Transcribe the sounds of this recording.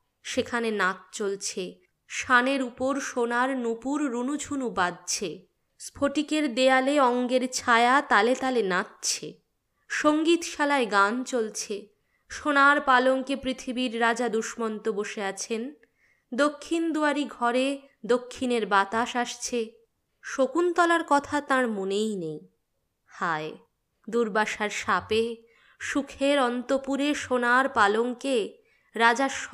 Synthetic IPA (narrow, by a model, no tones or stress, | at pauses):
ʃekʰanenat̪̚t͡ɕolt͡ɕʰe | ʃaneɾupoɾʃonaɾnupuɾːunud͡ʑʰʱunubad̪̚t͡ɕʰe | spʰoʈikeɾd̪ealeɔŋɡeɾt͡ɕʰaeat̪alet̪alenat̪t͡ɕʰḛ | ʃoŋɡit̪ʃalaeɡant͡ɕolt͡ɕʰe | ʃonaɾpaloŋkepɾit̪ʰibiɾːad͡ʑad̪uʃmɔnt̪oboʃeat͡ɕʰen | d̪okʰːind̪uaɾiɡʱɔɾe | d̪okʰːineɾbat̪aʃaʃt͡ɕʰe | ʃokunt̪ɔlaɾkɔt̪ʰat̪ãɾmonejnej | hae | d̪uɾbaʃaɾʃape | ʃukʰeɾɔnt̪opuɾeʃonaɾpaloŋke | ɾad͡ʑaʃ